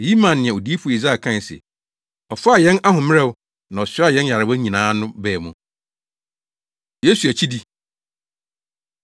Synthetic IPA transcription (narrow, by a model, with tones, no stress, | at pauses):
ji˦mã˨nːɪ̃˨ɛ̃˨o˨di˦fu˦˨i˨za˦˨kʰã˦˨n˨sɛ̰˨ | ɔ˨fa˦a˨jɛ̃˦na˦hʊ̃˨m˦ɾɛ˦˨wʊ˦ | nã˨ɔ˨sɪ˦a˦jɛ̃˦nja˨ɾɪ˨wɛ˦ɲĩ˨nãː˨˦nʊ̃˦bɛː˦˨mũ˨ | je˦su˨æ˨t͡ɕʰi˦di˦